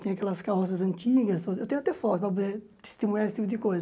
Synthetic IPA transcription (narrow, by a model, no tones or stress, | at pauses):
t̪ẽɲ̃ɐakɛlɐskahɔs̬ɐzɐ̃nt͡ʃ̪iɡɐst̪od̪ewt̪ẽɲ̃ʊat̪ɛfɔt̪ʊpɾɐp̬od̪eɾ | t̪e̥st̪imuɲaɾesɪt̪ipʊd̪ɪkojzɐ